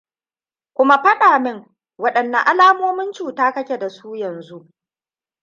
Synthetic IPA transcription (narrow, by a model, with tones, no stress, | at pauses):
kʷʊ˦ma˦ɸɐ˦ɗaː˨mɪ˦ŋ | wɐ˦ɗɐ˨nːɐ˨ʔa˦laː˦moː˦mɪ˦nt͡ʃuː˨taː˦kɐ˦kʲe˨da˨suː˦jɐ˨nzu˦ʔ